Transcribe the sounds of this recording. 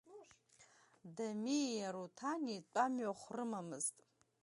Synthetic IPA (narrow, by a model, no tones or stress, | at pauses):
damijaɾutʰanit͡pʷʼamɥaχʷrɨmamɨztʼ